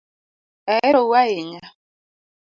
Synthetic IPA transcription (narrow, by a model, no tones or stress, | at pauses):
ɛɾowaeŋa